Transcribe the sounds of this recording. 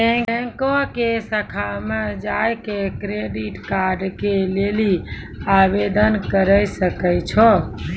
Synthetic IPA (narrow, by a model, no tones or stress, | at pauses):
ẽɛŋkɔkesəkʰamed͡ʒajkekɾeɖiʈkaɾɖkeleli | abed̪ənkəɾəjsəkəjt͡ʃʰɔ